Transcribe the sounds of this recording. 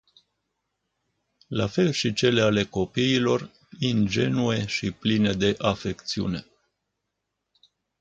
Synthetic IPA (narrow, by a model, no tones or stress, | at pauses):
lafe̞lʃit͡ʃe̞le̞ale̞ko̞piːlo̞r | ind͡ʒe̞nue̞ʃipline̞d̪e̞ʔafe̞kt̪siṵne̞